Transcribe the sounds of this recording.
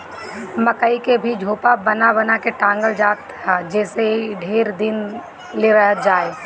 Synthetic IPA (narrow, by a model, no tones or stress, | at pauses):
məkəikebʱid͡ʒʱoːpabənabɐnakeʈãːŋɡəld͡ʒaːt̪ʰ | ad͡ʒɛːseɖʱeːɾd̪ɪn | leɾəɦəd͡ʒaːe